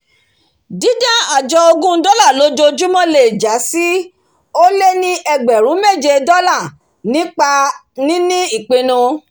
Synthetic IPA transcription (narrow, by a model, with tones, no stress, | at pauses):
dĩ˨˦dã˦˨a˨d͡ʒɔ˧o˧ɡũ˦n̩˦dɔ˦la˦˨lo˨˦d͡ʒo˧d͡ʒu˦mɔ̃˦le˨d͡ʒa˨˦si˦ | o˦le˦nĩ˦ʔɛ˧ɡ͡bɛ˨ɾ̃ũ˨˦me˦˨d͡ʒe˧dɔ˦la˦˨ | nĩ˨˦k͡pa˧ | nĩ˦nĩ˦i˦˨k͡pe˧nũ˧